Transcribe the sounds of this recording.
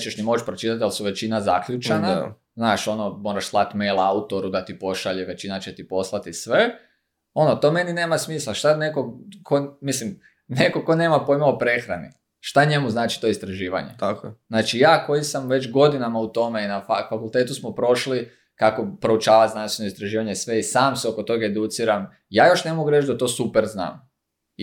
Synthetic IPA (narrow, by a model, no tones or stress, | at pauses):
t͡ʃeʃnimo̞t͡ʃpɾot͡ʃit̪at̪ialsuʋe̞t͡ʃinazakʎut͡ʃana | znaːʃo̞no̞moːɾaʃslˠat̪mejlˠaut̪o̞ɾud̪at̪ipo̞ʃaʎeʋe̞t͡ʃinat͡ʃet̪ipo̞slˠat̪isʋe̞ | o̞not̪o̞me̞nineːmasmiːslˠaʃt̪anekokʰomislim | neko̞koneːmapo̞jmaopɾe̞xɾani | ʃt̪aɲe̞muznaːt͡ʃi̥t̪o̞ist̪ɾaʒiːʋa̰ɲḛt̪akznaːt͡ʃijaːko̞jisamʋe̞t͡ʃɡo̞d̪inamaut̪o̞me̞inafafakulˠt̪eːt̪usmopɾo̞ʃli | kako̞pɾo̞ut͡ʃaːʋat̪znanst̪ʋenoist̪ɾaʒiːʋaɲe̞sʋe̞isaːmseo̞ko̞t̪o̞ɡaed̪ut̪siɾam | jaːjo̞ʃne̞moɡuɾet͡ʃd̪at̪o̞ːsupeɾzna̰ːm